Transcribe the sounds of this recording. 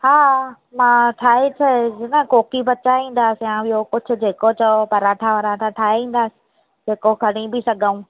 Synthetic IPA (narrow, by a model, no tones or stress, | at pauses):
haː | mãːʈʰaːɦit̪ʰɐd͡ʑinəkoːkibɐt͡ɕaʋĩːn̆d̪aːsɪjãɪɦokʊd͡ʑʱʊ̆d͡ʑeːkot͡ɕɐopɐɾaːʈʰaʋəɾãʈ̪ʰãʈʰaːeĩːn̆d̪aːsɪ̥̆ | d͡ʑeːkokɐɽ̃ibɪsɐɡʱəũː